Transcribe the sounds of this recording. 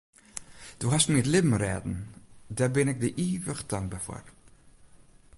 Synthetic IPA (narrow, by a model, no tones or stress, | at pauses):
d̥uɦastmiətlɪbm̩rɛ̰ːdn̩daːrbɪnɪk̚dəʔiːvəɣədɑŋɡ̚bafo̰r